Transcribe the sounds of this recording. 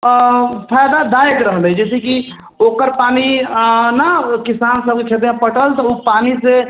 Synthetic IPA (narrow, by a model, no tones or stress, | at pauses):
pʰajd̪ad̪ajekɾəɦləjd͡ʒɛseki | okəɾpaninəkisansəb̚ket͡ʃʰet̪ãpəʈəlt̪ɔupanise